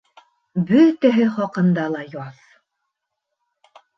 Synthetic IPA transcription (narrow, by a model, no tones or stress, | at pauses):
bɵt̪æɦɘχɒqɤ̆nd̪ɑlˠɑjɒð